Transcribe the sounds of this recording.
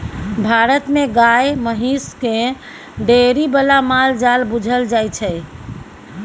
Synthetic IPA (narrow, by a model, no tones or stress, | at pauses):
bʱaɾət̪meɡajməɦiske | ɖeɾibəlamald͡ʒalbud͡ʒʱəld͡ʒajt͡ʃʰəj